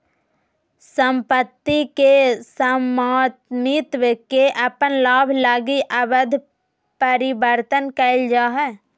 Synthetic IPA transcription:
səmpət̪ːikesəmaːt̪nit̪wəkeʔəpənlaːbʱlaːɡiʔəbəd̪ʱ | pəɾɪbəɾt̪ənkəɪld͡ʒaːɦɛː

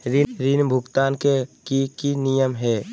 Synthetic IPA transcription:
ɾɪɾɪnbʱʊɡt̪aːnkekikinijəmɦɛː

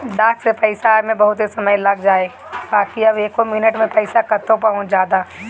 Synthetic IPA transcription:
ɖaːksepɛɪsamẽbɐɦʊt̪ɦesɐməjlɐɡd͡ʒaːeː | baːkiɐbeːkɦomɪnəʈmẽpɛɪsakɐt̪ʰːõp̬aõd͡ʒjaːd̪aː

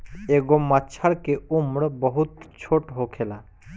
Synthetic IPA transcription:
eɡomət͡ʃʰəɾkeumɾbəɦut̪t͡ʃʰoːʈɦokʰela

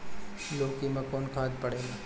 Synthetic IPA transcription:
loːkimãkɔːnkʰaːd̪pəɽeːla

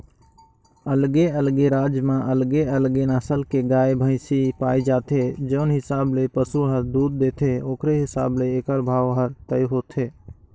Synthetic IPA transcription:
əlɡeəlɡeɾaːd͡ʒmãʔəlɡeəlɡenaːsəlkeɡaːebʱə̃ɪsipaːid͡ʒaːt̪ed͡ʒəʊnɦɪsaːblepəsuɦəɾd̪uːd̪̚ːeːt̪ʰeoːkɾeɦɪsa̰ːbleeːkəɾbʱaːʋɦəɾt̪əjɦoːt̪ʰeː

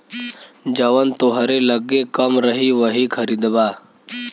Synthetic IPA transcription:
d͡ʒəʋənt̪oɦəɾeləɡːekəmɾəɦiʋəɦikʰəɾid̪ba

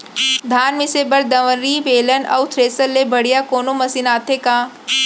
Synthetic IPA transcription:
d̪ʱaːnmɪsebɐɾd̪ɐʋə̃nɾiʋeːlənɐ̰wt̪ʰɾeːsəlːebɐɽ̤ijakoːnomɐsinaːt̪ʰekãː

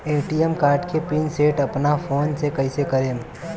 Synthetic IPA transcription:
eːʈijemkaːɾʈkepiːnseːʈɐpnafʰoːnsekɐisekɐɾẽːm

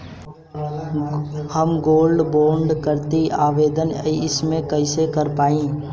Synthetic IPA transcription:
həmɡoːlɖboːɾɳɖkəɾt̪iaːʋeːd̪əniɪsmẽkəisekəɾpaːĩː

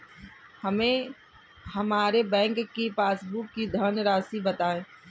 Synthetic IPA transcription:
hɐmẽ | hɐmaːɾebɛ̃ːŋkːipaːsbʊkːid̪ʱənɾaːsibɐt̪aːẽː

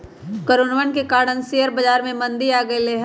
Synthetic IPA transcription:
kəɾoːnʋənkekaːɾɽənsijəɾbɐd͡ʒaːɾmẽmɐ̃nd̪iaːɡɐeleːɦ

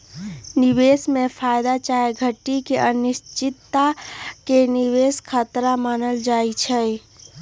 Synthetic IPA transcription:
nibesmepʰajd̪at͡ʃaeɡʱəʈːikeʔənist͡ʃit̪ːakeniʋeskʰət̪ɾamanəld͡ʒajt͡ʃʰə

